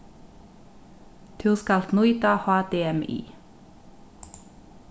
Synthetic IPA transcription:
t̪ʰʉʁskɑlt̪nuʏt̪ɑhɑːd̪̥eːɛmḭː

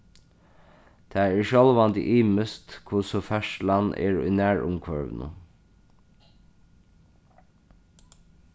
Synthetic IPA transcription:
d̪̥ʰæːeːʃɑlʋɑnd̪ḭːʔiːməst̪kʰʊsɔfæʃlɑnʔḛːɹʉ̰ːnæːɹʔʊ̰mkʰʋœɹʋnʔʊ̰

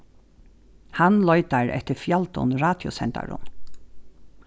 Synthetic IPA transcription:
hanlɔʏt̪aɹɛ̰ht̪ɪɾfjalt̪ʊ̰nɹaːt̪jʊ̰sɛnt̪a̰ɹʊ̰n

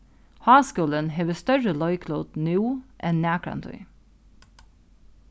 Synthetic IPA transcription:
hɑːskuːlənɦeːʋəst̪œɹəlɔʏkʰloːd̪nʉːʔɛnnæːkʰɹɑ̰nt̪ʰʉ̰ʏ

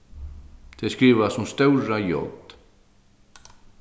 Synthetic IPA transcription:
t̪ʰɛskɾiːʋasɔmst̪œwɾajɔ̰ld̪̥

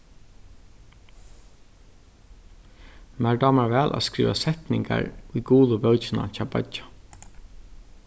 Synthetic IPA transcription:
mæɹɖɑːmaɹʋɛːlʔa̰skɾḭːʋasɛt̪nɪŋka̰ɹujɡuːðʊbœːt͡ʃɪna̰caːba̰t͡ʃḁ

